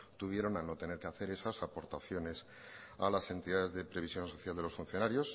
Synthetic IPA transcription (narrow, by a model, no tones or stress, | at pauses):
t̪uβ̞je̞ɾo̞nano̞t̪e̞ne̞ɾkeaθe̞ɾe̞sasapo̞ɾt̪aθjo̞ne̞s | alase̞nt̪iðaðe̞zðe̞pɾe̞βisjõ̞nso̞θjald̪e̞lo̞sfun̟θjo̞naɾjo̞s